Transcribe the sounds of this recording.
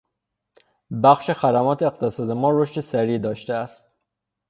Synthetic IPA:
bæxʃe̞xæd̪æmɒːt̪ʰeːqt̪ʰesɒːd̪emɒːɾoʃt̪e̞sæɾiːd̪ɒːʃt̪eæst̪̚

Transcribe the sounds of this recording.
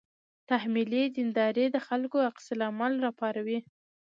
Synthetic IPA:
t̪ahmilizɪnd̪ɑɾed̪əxalkoaqsɪlamalɾɑpɑɾawi

